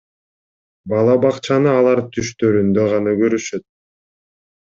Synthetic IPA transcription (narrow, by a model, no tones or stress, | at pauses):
bɑlˠɑbɑqt͡ʃɑnɯɑlˠɑɾt̪ʰyʃt̪ø̞ɾynd̪ø̞ʁɑnɑɡøɾyʃø̞t̪̚